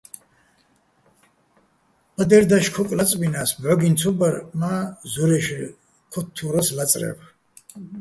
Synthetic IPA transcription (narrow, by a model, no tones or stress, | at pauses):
pʼəd̪ɛɾd̪aʃkʰukʼlat͡sʼbinaːsbʕɔɡint͡sʰubaɾmazuɾɛʃ | kʰɔt̪ʰːuɾɔslat͡sʼɾɛ̰b